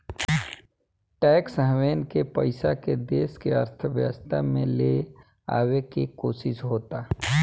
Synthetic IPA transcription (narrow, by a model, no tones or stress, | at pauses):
ʈɛːksəɦʋeːnkepəɪsaked̪eːskeə̰ɾt̪ʰəʋjə̰st̪ʰamẽle | a̰ːwekikoːsɪsɦoːt̪aː